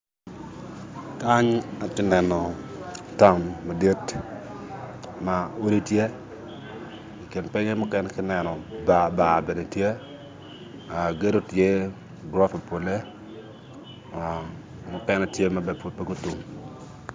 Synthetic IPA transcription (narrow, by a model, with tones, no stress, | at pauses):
ka˦ɲa˨tɪ˦nɛ˨nɔ˨ta˦˨nma˨dje˦t | ma˨o˦di˦tje˦ | i˨ki˨npɛ˦ŋɛ˦mʊ˦kɛnɛkɪ˦nɛ˨nɔ˨ba˨ba˨be˨ne˨tje˦ | a˨ɡe˦do˦tje˦ | ɡɾɔ˦fa˨po˨le˦ | mʊ˦kɛ˦nɛ˦tje˦ma˨bɛ˨po˨pe˦ɡo˦tu˨ŋ